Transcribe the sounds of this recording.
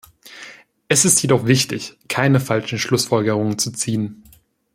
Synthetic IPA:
ʔɛsɪstʰjedɔχv̥ɪçtɪçkʰaɪnəfalʃn̩ʃlʊsfɔlɡəʁ̞ʊŋənt͡sut͡siːən

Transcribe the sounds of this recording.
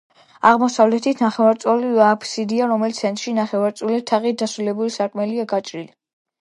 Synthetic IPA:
aʁmɔsavlɛt̪ʰit̪ʰnaχɛvaɾt̪sʼɔliapʰsid̪iaɾɔmɛlit̪sʰɛnt̪ʼɾʃinaχɛvaɾt̪sʼulit̪ʰaʁit̪̚d̪asɾulɛbulisakʼmɛliaɡat͡ʃʼɾili

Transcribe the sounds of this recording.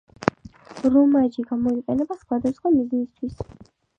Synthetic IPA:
ɾumaʒiɡamɔiqʼɛnɛbasχwad̪asχwamiznist̪ʰwis

